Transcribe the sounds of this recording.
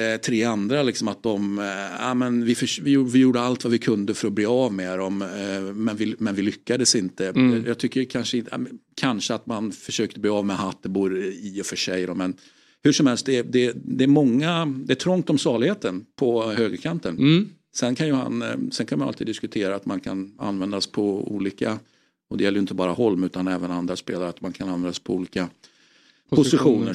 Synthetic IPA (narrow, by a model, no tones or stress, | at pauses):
t̪ʰɾeːand̪ɾalɪksɔmat̪̚d̪ɔma̰mɛnvɪfœʂvɪvɪjuːɖəalt̪vavɪkʰɵnd̪əfœɾɔbleːɑvmeːɾɔmːɛnvɪmɛnvɪlʏkːad̪əsɪnt̪əjɑːt̪ʰʏkːəɾkʰanʂəɪn̰kʰanʂəat̪manfœʂøːk̚t̪əbleːɑvmɛɦat̪ːəbuːɾɪɔfœʂɛjɾɔmɛn | hɵʂɔmhɛlst̪̚d̪ɛd̪ɛd̪ɛːɾmɔŋːad̪ɛæʈʰɾɔŋk̚t̪ɔmsɑːɭɪɡheːt̪ənpʰɔhøːɡəɾkʰant̪ən | sɛnkʰanjɵha̰nsɛnkʰanmanalt̪iːd̪ɪskɵt̪ʰeːɾaːt̪mankʰana̰nvɛnd̪aspʰɔṵːliːka | ɔd̪ɛjɛlːɾjɵɪnt̪əbɑːɾahɔlmʉ̟ːt̪anɛːvənand̪ɾaspeːlaɾat̪mankʰananvɛnd̪aspʰɔuːliːka | pʰʊsɪɧuːnə